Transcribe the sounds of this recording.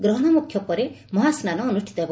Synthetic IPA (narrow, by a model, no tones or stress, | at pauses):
ɡɾʌɦɽ̃ʌmukʰjɔpʌɾemɔɦasnanʌːnuʃʈʰit̪ɔeb